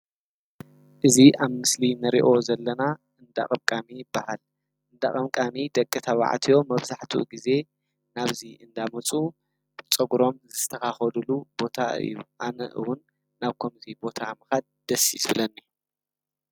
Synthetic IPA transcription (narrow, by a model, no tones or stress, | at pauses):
ʔɨziʔaβmɨslinɐɾḭʔo̞zɐlːɐnaʔɨnd̪a̰χʼɐmkʼamijɪbːahal | ʔɨnd̪a̰χʼɐmkʼamid̪ɐkʼːɨt̪ʰawa̰ʕ̰t̪ʰijo̞mɐβzaħt̪ʰuɡize̞ | naβziɨnd̪amɐt͡sʼu | t͡sʼɐɡuɾo̞mzɨt̪ʰɐxaxɐlulubo̞t̪ʰaɨ̰jːṵʔanɐ̰ʔɨ̰wʊnː | aβkʰomzibo̞t̪ʰamɨxad̪̚d̪̥ɐsisbɨlɐnːɨju